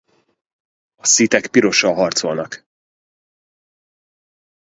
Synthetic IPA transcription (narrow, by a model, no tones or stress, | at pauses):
ɒsit̪ɛkpiɾo̞ʃɒɦɒrt̪so̞lnɒk